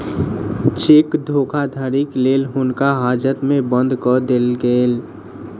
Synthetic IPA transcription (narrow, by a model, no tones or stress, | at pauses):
t͡ʃɪkd̪ʱoːkʰad̪ʱaːɾikleːlɦʊnkaɦaːd͡ʒət̪mẽbə̃nd̪ʱkɔd̪elɡeːl